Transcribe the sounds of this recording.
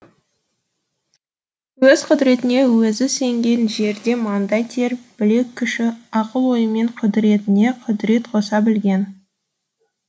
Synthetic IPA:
wɵz̥qʰʊd̪ɾe̞t̪ɪne̞wɵzɪse̞ŋɡʲe̞nʒe̞ɾd̪e̞mɑnd̪ɑjt̪ʰe̞ɾb̥ɪle̞kʲʰːʏʃɪɑqəlˠwo̞jəme̞ɴqʰʊd̪ɾe̞t̪ɪne̞qʰʊd̪ɾe̞t̪qʰo̞sɑbɪlɡʲe̞n

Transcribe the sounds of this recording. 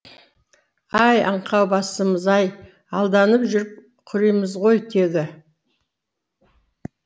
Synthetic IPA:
ɑjɑ̰ɴqʰɑwbɑsəməzɑj | ɑlˠd̪ɑnəpʒʏɾɪp̚ | qʰʏɾijməzʁo̞jt̪ʰeɡʲɪ

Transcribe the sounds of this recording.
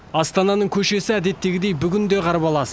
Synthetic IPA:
ɑst̪ɑnɑnəɴkʲʰɵʃe̞sɪæd̪e̞t̪ːe̞ɡʲɪd̪e̞jbʏɡʲɪnd̪e̞qʰɑɾəpɑlˠɑsə

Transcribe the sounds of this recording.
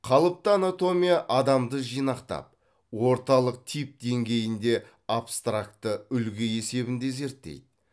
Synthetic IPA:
qʰɑlˠəp̚t̪əanat̪o̞mʲijaʔɑd̪ɑmd̪əʒijnɑqt̪ɑ̰p̚ | wo̞ɾt̪ɑlˠəq̚t̪ʰip̚d̪e̞ŋɡʲe̞jɪnd̪e̞ | apst̪rak̚t̪ːəʏlɡʲɪe̞se̞bɪnd̪e̞ze̞ɾt̪ːḛjd̪ɪ

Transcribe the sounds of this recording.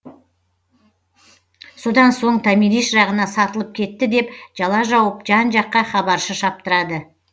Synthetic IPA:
so̞d̪ɑnso̞ɴt̪ʰɑmiɾiʃʒɑʁənɑsɑt̪əlˠəp̚kʲʰe̞t̪ːɪd̪e̞pʒ̥ɑlˠɑʒɑwəpʒɑnʒɑqːɑχɑbɑɾʃəʃɑp̚t̪əɾɑd̪ə

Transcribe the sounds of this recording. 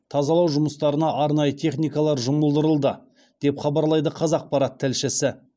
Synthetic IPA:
t̪ʰɑzɑlˠɑwʒʊməst̪ɑɾənɑʔɑɾnɑjət̪ʰe̞χnijkɑlˠɑɾʒʊməlˠd̪əɾəlˠd̪ə | d̪̥e̞pχɑbɑɾlˠɑjd̪əqʰɑzɑq̚pɑɾɑt̪ʰːɪlʃɪsɪ

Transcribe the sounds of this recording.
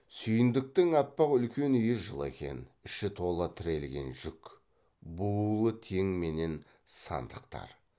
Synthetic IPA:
sʏjɪnd̪ɪk̚t̪ɪŋɑt̪̚pɑqʏlkʲe̞nʏjɪʒəlˠe̞̰kʲe̞̰nɪʃɪt̪ʰo̞lˠət̪ʰɪɾe̞lɡʲe̞̰nʒʏk | bulˠət̪ʰe̞ŋme̞ne̞n | sɑ̰nd̪əqt̪ɑ̰ɾ

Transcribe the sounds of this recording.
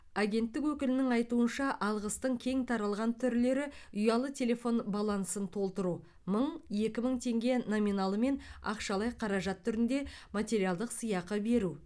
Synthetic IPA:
aɡʲe̞nt̪ːɪkwɵkʲɪlɪnɪŋɑjt̪uənʃɑʔɑlˠʁəst̪əɴkʲʰe̞ŋt̪ʰɑɾɑlˠʁɑnt̪ʰʏɾle̞ɾɪʊjɑlˠət̪ʰʲe̞lʲe̞fo̞nbɑlˠɑnsənt̪ʰo̞lˠt̪əɾu | məɴje̞kʲɪməɴt̪ʰe̞ŋɡʲe̞nominɑlˠəme̞nɑ̰qʃɑlˠɑjqʰɑɾɑʒɑt̪ʰːʏɾɪnd̪e̞mat̪ʲe̞ɾijalˠd̪əqsɨjɑqəbe̞ɾu

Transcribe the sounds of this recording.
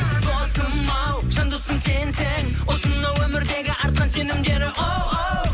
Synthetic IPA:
d̪ʰosəmmːɑwʃənd̪əsənse̞nseŋwosənd̪ɑwɵmɪɾd̪e̞ɡʲɪʔɑɾt̪̚qɑnse̞nɪmd̪e̞ɾɪʔo

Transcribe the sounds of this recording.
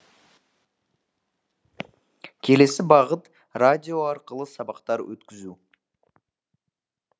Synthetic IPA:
kʲʰe̞le̞sɪbɑʁət̪ | rad̪ʲijo̞ɑɾqəlˠəsɑbɑqt̪ɑɾwɵ̰t̪kʲɪzu

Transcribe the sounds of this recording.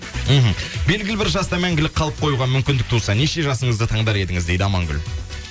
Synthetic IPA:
m̩ɦm̩be̞lɡʲɪlɪbɪɾʒɑst̪ɑmæŋɡʲɪlɪkqʰɑlˠəp̚qʰo̞juʁɑmʏmkʲɪnd̪ɪk̚t̪ʰusɑneʃe̞ʒɑsəɴəzd̪ət̪ʰɑɴd̪ɑɾe̞d̪ɪŋɪzd̪e̞jd̪ɪɑmɑŋɡʲʏ̰l

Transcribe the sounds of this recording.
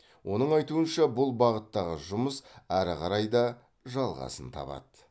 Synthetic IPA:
wʔo̞nəɴɑjt̪uənʃɑbʊlˠbɑʁət̪ːɑʁəʒʊməsæɾɪqʰɑɾɑjd̪ɑ | ʒɑlˠʁɑ̰sənt̪ʰɑ̰pɑ̰d̪̥ə

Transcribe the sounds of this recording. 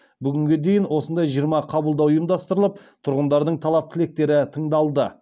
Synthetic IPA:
bʏɡʲɪŋɡʲe̞d̪e̞jɪnwo̞sənd̪ɑjʒijəɾmɑqʰɑbəlˠd̪ɑwujmd̪ɑst̪əɾəlˠəp̚t̪ʰʊɾʁənd̪ɑɾd̪əɴt̪ʰɑlˠɑp̚kʲʰɪle̞k̚t̪e̞ɾɪt̪ʰəɴd̪ɑlˠd̪ə

